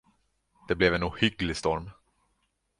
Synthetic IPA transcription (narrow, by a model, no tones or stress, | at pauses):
d̪̥ɛblɛvɛnʊhʏɡlɪst̪ɔɾm